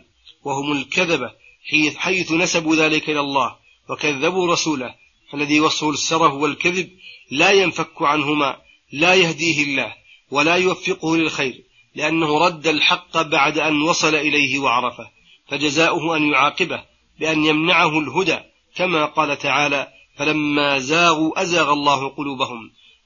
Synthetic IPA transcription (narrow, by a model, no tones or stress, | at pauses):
wahʊmʊlkaðaba | ħajθʊnasabuːðaːlɪkaʔɪlalˤːɑːh | wakaðːabuːɾˤɑsuːla | ʔalːaðiːwɑsˤusːɑɾˤɑfwalkaðɪb̚laːjanfakːʊʕanhʊma̰ː | laːjahd̪iːhɪlːaːh | walaːjʊwafːɪqʊhʊlɪlxajɾ | lɪʔanːahʊɾˤɑd̪ːalħɑqːbaʕd̪aʔanwɑsˤɑlaʔɪlajhɪwɑʕɑɾˤɑfah | fad͡ʒazaːʔʊhʊʔanjʊʕɑːqɨbah | bɪʔanjamnaʕaɦʊlɦʊd̪aː | kamaːqɑːlat̪aʕaːlaː | falamːaːzaːɣuːʔazaːɣɑlˤːɑːhʊqʊluːbahʊm